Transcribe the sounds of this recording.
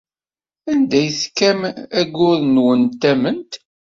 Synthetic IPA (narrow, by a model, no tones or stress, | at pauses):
ænd̪æjθkːæmæɡʊðnwənt̪ːæmənt̪